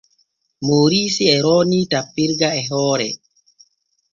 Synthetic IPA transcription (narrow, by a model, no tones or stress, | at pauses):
moːɾisiɛɾɔnitapːiɾɡaɛɦɔːɾɛ